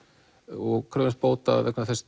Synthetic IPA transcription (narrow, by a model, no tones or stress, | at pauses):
ɔɣkʰɾœːvɪnspoːwt̪a̰ðɛkvɛaθɛs